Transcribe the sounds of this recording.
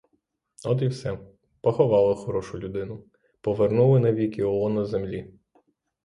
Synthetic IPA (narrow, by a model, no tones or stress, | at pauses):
ɔd̪iwsɛ | pɔxɔʋɑlˠɪxɔɾɔʃʊlʲʊd̪ɪnʊ | pɔʋernulˠɪnɐʋʲikɪɔnɐzemlʲi